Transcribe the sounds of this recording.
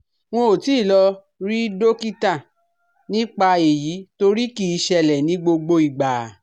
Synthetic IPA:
w̃ɔ̃˧o˨ti˨˦˨lɔ˧ | ɾi˦do˦ki˦ta˦˨ | nĩ˦k͡pa˧e˨ji˨˦to˧ɾi˦ki˦˧ʃɛ˧lɛ˨nĩ˨˦ɡ͡bo˧ɡ͡bo˧i˨ɡ͡ba˨

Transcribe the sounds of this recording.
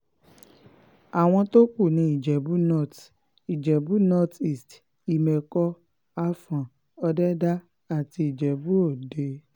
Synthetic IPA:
a˨w̃ɔ̃˧to˦k͡pu˦˨nĩ˧˦i˦˨d͡ʒɛ˨bu˦nɔ˦˨t | i˨d͡ʒɛ˨bu˨˦nɔ˦ti˦˨st | i˨mɛ˨kɔ˧ | a˧fã˨ | ɔ˧dɛ˦da˦ | a˦˨ti˧i˨d͡ʒɛ˨bu˦o˦˨de˧

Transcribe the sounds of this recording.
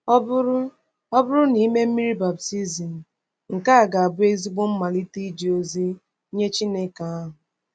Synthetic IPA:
bʊ˦ɾʊ˦ | ɔ˦bʊ˦ɾʊ˦ni˨˦me˦m̩˦mi˦ɾi˦ba˨b̚ti˦zi˨n̩˨ | ŋ̩˨ka˦a˨ɡa˨a˨bʊ˦e˦zi˦ɡ͡bo˦m̩˦ma˨li˦ti˦d͡ʒi˨o˦zi˦ | ɲe˦t͡ʃi˦ne˦ka˨a˦ɦʊ˨

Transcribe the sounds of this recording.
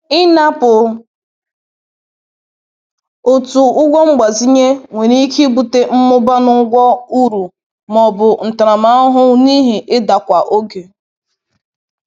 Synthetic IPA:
ɪ˦na˦pʊ˨ | o˨tu˨ʊ˦ɡʷɔ˦ŋ͡m̩˦ɡ͡ba˨zi˦ɲe˦ŋʷe˨ɾi˦kʰi˦bu˦te˦m̩˦mʊ˦ba˦nʊ˦ŋ̩˦ɡʷɔ˦u˦ɾu˨ | mɔ˨bʊ˨n̩˨ta˨ɾa˨ma˨˦ɔ˦ɦʊ˦ni˦ɦe˨ʔɪ˦da˨kʷa˨ʔo˦ɡe˨

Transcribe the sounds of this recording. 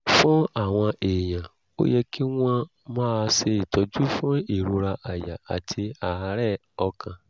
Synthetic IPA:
fũ˦a˦˨w̃ɔ̃˧eː˨jã˨ | o̰˦jɛ˧ki˦w̃ɔ̃˧ | mãː˦˧se˧i˨tɔ˨˦d͡ʒu˦fũ˦i˦˨ɾu˨˧ɾa˧ʔa˨ja̰˨a̰˨tʰi˧a˨˧ɾɛ˦˨ | ɔ˧kʰã˧

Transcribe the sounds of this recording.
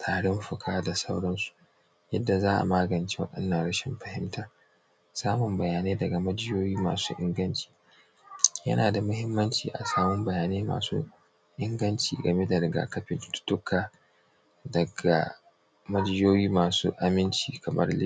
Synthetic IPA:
tʰaː˨ɽɪ˦mɸʊ˨kʰaː˦da˨sa˦wɽɐ˦nsu̥˨ | jɐ˦dːa˨zaː˦ʔa̰˨maː˦ɡɐ˨nt͡ʃe̥˦wɐ̰˦ɗɐ̰˦nːɐ˨nɽɐ˦ʃɪ˨mɸɐ˨hɪ˦mtʰaː˦ | saː˦mʊ˨mbɐ˨jaː˨neː˦dɐ˨ɡa˨mɐ˦d͡ʒɪ˦joː˦jiː˦ma̰ː˨sṵː˦ʔɪ̰˦ŋɡɐ˦nt͡ʃi̥ː˨ | jɐ̰˦naː˨da˨mʊ˦hɪ˦mːɐ˦nt͡ʃḭː˨ʔa̰˨saː˦mʊ˦mbɐ˨jaː˨neː˦ma̰ː˨sṵ˦ | ʔɪ˦ŋɡɐ˦nt͡ʃiː˨ɡɐ˨me˦da˨dɐ˨ɡa̰˨kɐ˦ɸɪ˨ttʊ̥˦tʊ˦kʰaː˨ | dɐ˨ɡa̰˨ | mɐ˦d͡ʒɪ˦joː˦jiː˦maː˨sṵː˦ʔa˨mɪ˦nt͡ʃiː˨kɐ˨mʔɐ̰˦rlɪ˦

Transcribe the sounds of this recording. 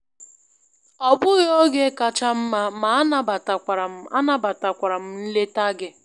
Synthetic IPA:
ɔ˨bʊ˦jo˦ɡe˦˨ka˦t͡ʃa˦m̩˦ma˦ma˨a˦na˦ba˨ta˨kʷa˨ɾa˨m˦a˦na˦ba˨ta˨kʷa˨ɾa˨m̩˦n̩˦le˦ta˦ɡɪ˦

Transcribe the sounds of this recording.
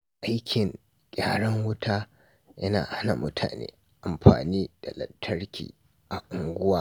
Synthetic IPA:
ʔa˦jkʲʰɪ˨ŋ | kʲʼaː˨ɽɐ˦ŋwʊ˦tʰaː˦ | jɐ˦naː˨ha˦na˨mʊ̰˦tʰaː˨nḛː˦ | ʔa˨mɸa̰ː˨niː˦d̥a˨lɐ̰˨tʰːɐ˦ɽkʲḭː˨ | ʔa˨ʔʊ˨ŋɡʷʊ˦waː˦

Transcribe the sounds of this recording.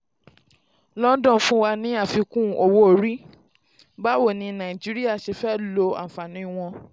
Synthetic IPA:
lɔ˦dɔ̃˦˨fũ˦wa˧nĩ˨˦a˦˨fi˧kũ˦˨o˧wo˦o˨ɾi˦ | ba˦wo˦˨nĩ˧nã˨i˨d͡ʒi˦ɾi˦a˦˨ʃe˧fɛ˦˨lo˧a̰˨fa˨nĩ˨˦w̃ɔ̃˧

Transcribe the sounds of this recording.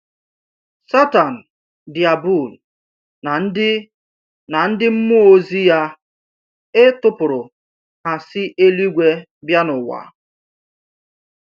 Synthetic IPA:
sa˦ta˨n̩˨ | di˨a˨bu˦˨l | n̩˦ɪ˦ | na˨n̩˦dɪ˦m̩˦mʊ˦o˦zi˦ja˦ | e˦tʊ˦pʊ˨ɾʊ˨ | ha˨sɪ˦ʔe˦li˦ɡʷe˦ | bja˦nʊ˨wa̰˨

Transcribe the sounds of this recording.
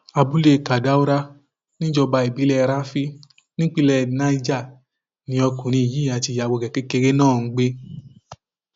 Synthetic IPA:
a˧bu˦le˦˨ka˨da˦o˦ɾa˦ | nĩ˦d͡ʒɔ˧ba˧i˨bi˨˦lɛ˧ɾa˦fi˦ | nĩ˦k͡pi˦lɛ˧nã˧i˦d͡ʒa˦˨ | nĩ˨˦ɔ˧kũ˨ɾ̃ĩ˧i˨ji˨˦˨a˨ti˧ja˨wo˧˨kɛ˨ke˦ke˧ɾe˦nãː˦˨˦ɡ͡be˦

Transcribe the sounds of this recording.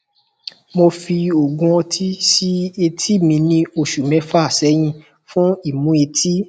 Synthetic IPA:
mo˧fi˧o˨ɡũ˧ɔ̃˧tʰi˦si˦e˧tʰi˦˨mĩ˧nĩ˦o˧˨ʃu˨mɛ̃˨˧˦fa˦˨sɛ˨˦j̃ĩ˧ | fũ˦i˦˨mũ˨˦e˧tʰi˦

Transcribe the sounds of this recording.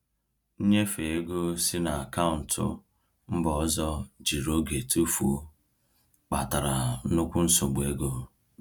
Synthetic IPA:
n̩˦ɲe˦fe˨e˦ɡo˦sɪ˦na˨a˨ka˦ʊ˨n̩˨tʰʊ̰˦ | m̩˦bɔ˨˦zɔ˦d͡ʒi˨ɾo˦ɡe˨tu˦fu˨˦ | k͡pa˨ta˨ɾa˨˦nʊ˦kʷʊ˦n̩˦sʊ˨ɡ͡bʊ˨e˦ɡo˦

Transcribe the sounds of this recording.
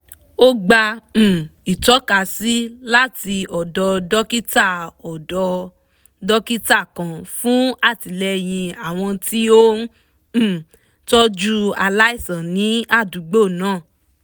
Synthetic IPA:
o˦ɡ͡bã˧˨ | i˨tɔ˨˦ka˧˨si˦la˦ti˧ɔ˨dɔ˧dɔ˦ki˦ta˦˨ɔ˨ɔ˧ | dɔ˦ki˦ta˦˨kã˨fũ˦a˦˨ti˨lɛ˧j̃ĩ˧a˦˨w̃ɔ̃˧ti˦õ˦˨ | tɔ˦d͡ʒu˦a˧la˦i˦˨sã˨nĩ˨˦a˦˨du˨˦ɡ͡bo˦˨nãː˦˨

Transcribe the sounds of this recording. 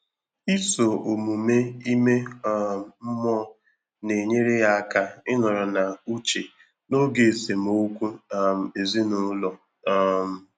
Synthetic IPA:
i˦so˨o˨mu˨me˦i˦me˦m̩˨m̩˦mɔ˦ | ne˨ɲe˦ɾe˦ja˦a˦ka˦ɪ˦nɔ˨ɾɔ˨na˨u˦t͡ʃe˨ | no˦ɡe˨se˨m˨o˦kʷu˦˨m̩˨e˨zi˦nʊ˦lɔ˨˦ | m̩˨

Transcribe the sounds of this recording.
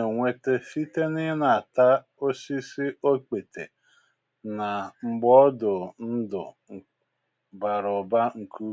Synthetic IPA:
e˨ŋʷe˨te˦fi˦te˦nɪ˦na˨a˨ta˦ | o˦si˦si˦o˦k͡pe˨tḛ˨ | na˨ŋ͡m̩˨ɡ͡bɔ˦dʊ˨n̩˦dʊ̰˨ | ba˨ɾʊ˨ba˦ŋ̩˨kʰu˦

